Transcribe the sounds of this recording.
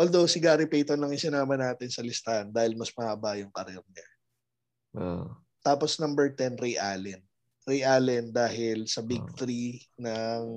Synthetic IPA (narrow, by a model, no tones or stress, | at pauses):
ʔoːld̪owsɪɡaːɾɪpejt̪onɐŋɪsɪnaːmɐnaːt̪ɪnsɐlɪst̪ahɐnd̪aːhɪlmɐsmɐɐbajʊŋpɐɾɛɾɲa | t̪aːposnɐmbɛɹt̪ɛnɾiʔaːlɛn | ɾiʔaːlɛnd̪aːɦɪlsɐbiɡ̚t̪ɾinɐŋ